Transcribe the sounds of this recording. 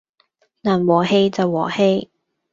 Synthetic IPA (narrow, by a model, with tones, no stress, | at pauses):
naː˨˩nwɔː˨˩he˧jt͡sɐ˨˩wːɔː˨˩he˧j